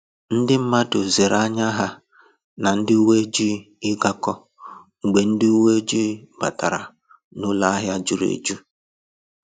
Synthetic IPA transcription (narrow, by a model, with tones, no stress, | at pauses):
n̩˦dɪ˦m̩˦ma˦dʊ˨ze˨ɾa˦ɲa˦ɦa˦ | na˨n̩˦dɪ˦u˦we˦d͡ʒi˦ | ɪ˦ɡa˦kɔ˦ | ŋ̩˨ɡ͡be˨n̩˦dɪ˦u˦we˦e˦d͡ʒi˦pa̰˨ta˨ɾa̰˨ | nʊ˦la˦a˦ɦja˦d͡ʒʊ˦ɾḛ˨d͡ʒu˦